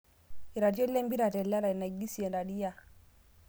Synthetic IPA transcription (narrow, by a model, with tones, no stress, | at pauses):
i˨ɾa˨t̬i˦ɔ˦lɛ˦mbi˦ɾa˨tɛ˨la˦ɾa˨i˨na˨i˨ɡi˦si˨ɛ˨nda˨ɗi˦ja˦˨